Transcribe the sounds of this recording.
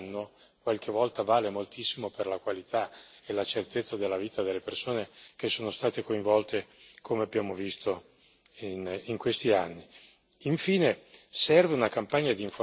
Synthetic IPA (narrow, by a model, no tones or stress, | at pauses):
nːo | kwalk̟evɔlt̪avaːlemolt̪isːimoperlakwalit̪ʰaelat͡ʃert̪et̪sːad̪elːaviːt̪ad̪elːepersoːnekesːoːnost̪aːt̪ekoiɱvɔlt̪ekʰomeabːjaːmovist̪o | iniŋkwest̪ianːi | iɱfiːnesɛrveunakampaɲːad̪iːɱfo